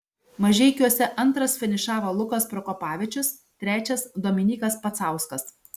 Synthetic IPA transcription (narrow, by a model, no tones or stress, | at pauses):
mɐʒʲɛɪkʲuɔsʲɛʔɐnt̪ɾɐsfʲɛnʲɪʃɑːʋɐlˠʊkɐspɾɔkɔpɑːʋʲɛt͡ʃʲʊs | t̪ʲɾʲæːt͡ʃʲɛsd̪oːmʲɪnʲiːkɐspɐt̪sɑˑʊskɐs